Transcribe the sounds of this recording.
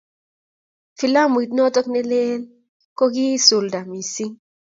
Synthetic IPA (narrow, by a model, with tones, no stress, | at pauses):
fi˨la˦m˨i˨tnɔ˦tɔ˦knɛ˦le˦l | kɔ˦ɡi˦su˨lda˨mi˨si˦ŋ